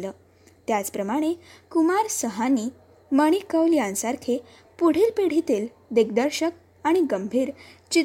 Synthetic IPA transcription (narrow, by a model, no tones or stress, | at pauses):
ləː | t̪jat͡spɾəmaɽ̃ekumaɾsəɦaniː | məɽ̃ikəwljãnsaɾkʰe | puɽ̤iːlpeɽ̤it̪iːl | d̪eɡd̪əɾɕək̚ | aɽ̃iɡəmbʱiːɾt͡ɕi